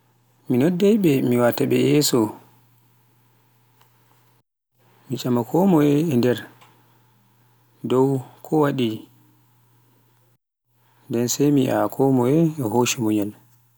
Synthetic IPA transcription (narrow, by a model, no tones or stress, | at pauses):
minɔdːɛjɓɛmiwataɓɛjɛsɔ | mit͡ʃamakʰɔmɔɛːndɛɾ | dɔwkʰɔwaɗi | dɛnsɛjmiʔakʰɔmɔɛɛɦoʃumɔɲal